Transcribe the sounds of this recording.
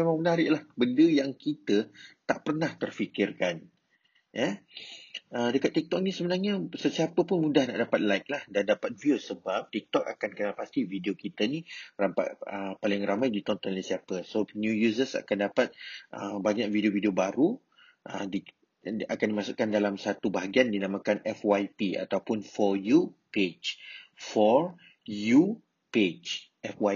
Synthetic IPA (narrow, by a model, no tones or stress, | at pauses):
memãŋmənaɾɪʔlahbəndəjaŋkit̪ət̪aʔpərnaht̪ərfikɪrkan | jə | ədəkat̪ːik̚t̪ɔk̚nisəbənarɲasəsiapəpʊnmudahna̰ʔdapat̪̚lajk̚lahdandapat̪̚viosəbap̚t̪ik̚t̪ɔka̰kankənalpast̪ivideokit̪ənirapa̰ʔəpalɪŋramajdit̪ɔnt̪ɔnlasiapəsonjujusəsa̰kandapat̪̚ʔəbaɲak̚videovidiobaɾu | ʔə̰di | akandimasuʔkandalamsat̪ubaɦaɡiandinãmãkanʔɛfwajpia̰t̪awpʊnfɔjuped͡ʒfɔr | ju | ped͡ʒ | ɛfwa